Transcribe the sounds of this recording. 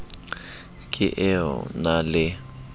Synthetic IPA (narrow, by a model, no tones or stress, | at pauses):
kʼɪʔɛɔ̰nalɪ